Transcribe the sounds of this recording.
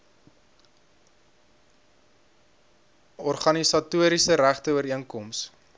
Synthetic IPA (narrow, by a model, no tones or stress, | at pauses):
ɔrχɐnisɑtuəɾisəɾæχtəuəɾiəŋkɔms